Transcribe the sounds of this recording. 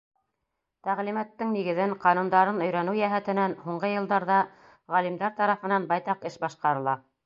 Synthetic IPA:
t̪æʁlimæt̪ːɘŋniɡɘ̆ðɘɴqɑnund̪ɑɾɤnɵ̆jɾænɘwjæɦæt̪ɘ̆nænhuɴɢɤjɤ̆lˠd̪ɑɾðɑ | ʁælimd̪æɾt̪ɑɾɑfɤ̆nɑnbɑjt̪ɑqɘʃbɑʃqɑɾɤ̆lˠɑ

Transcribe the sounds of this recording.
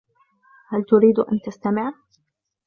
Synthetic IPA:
halt̪ʊɾiːd̪ʔa̰nt̪ast̪amɪʕ

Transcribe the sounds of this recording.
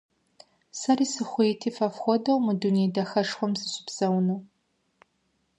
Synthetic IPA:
sɐriːsɨχʷʊetʰiːfɐfxʷɔdɐwmɨdunejdɐxɐʂxʷɔmzɨɕʷʼʊ̥bz̥ɐwnɐw

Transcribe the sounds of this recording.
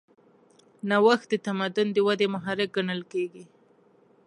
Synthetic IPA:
nawaxt̪̚d̪ət̪amad̪ʊnd̪əwad̪emaɦɑɾɪk̚ɡaɳəlkeɡi

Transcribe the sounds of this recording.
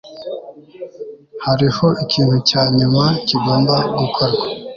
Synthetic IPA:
haɾiho̞ʔikʰiːn̥hucaːɲumaciɡo̞ːmbaɡukʰoɾɡwa

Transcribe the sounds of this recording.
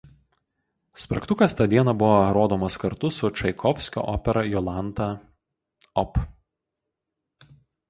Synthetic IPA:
spʲɾɐ̰kt̪ʊkɐst̪ɐd̪ʲiɛnɐbʊʋoɾoːd̪oɔːmɐskɐɾt̪ʊsʊt͡ʃɐɪkʰɔʋʲsʲkʲo̰ːʔɔːpʲɛɾɐjɔlˠɑˑnt̪ɐ | ɔp

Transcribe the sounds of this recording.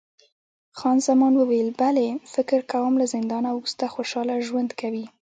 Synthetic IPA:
xɑnzamɑnwəwajəlbalefɪkɪɾkawəmlazɪnd̪ɑnauust̪axoʃɑlaʒwand̪kawi

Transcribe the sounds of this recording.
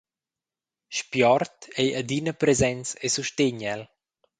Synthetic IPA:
ʃpjɔrt̪ejad̪inəpɾezɛnt͡sesuʃt̪eɲɛl

